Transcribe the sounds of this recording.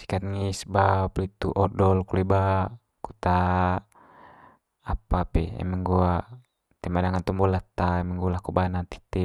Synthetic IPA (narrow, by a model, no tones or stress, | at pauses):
si̥kat̪̚ŋisbaplit̪uʔɔdɔlkuleba | kut̪a | apapɛɛ̰mɛŋɡuaʔ | t̪ɛmadaŋant̪umbulat̪aɛmɛŋɡulakubanat̪i̥t̪ɛ